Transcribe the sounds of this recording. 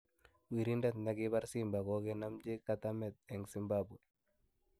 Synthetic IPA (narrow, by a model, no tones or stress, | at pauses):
wiɾindat̪naɡɪbaɾsimbakɔkɛnamd͡ʒekːat̪amɛt̪̚ɛŋsimbabwe